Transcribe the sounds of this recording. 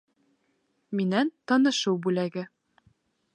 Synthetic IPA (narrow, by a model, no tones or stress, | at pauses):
minænt̪ɤ̆nɤ̆ʃɤwbʉlæɡɘ